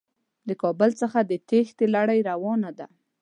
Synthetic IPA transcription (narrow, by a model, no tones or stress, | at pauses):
ləkɑbəlt͡səxad̪ət̪ext̪elaɽajɾawɑnad̪a